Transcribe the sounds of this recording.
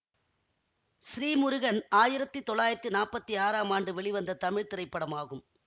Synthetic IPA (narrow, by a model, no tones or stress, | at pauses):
sɪɾiːmʊɾʊɣɐnaːjɪɾɐt̪ːɯt̪ɔɭːaːjɪɾɐt̪ːɯnaːpɐt̪ːiaːɾaːmaːɳɖɯʋɛɭɪʋɐnd̪ɐt̪ɐmɪɻt̪ɪɾɐɪpːɐɽɐmaːɣɯm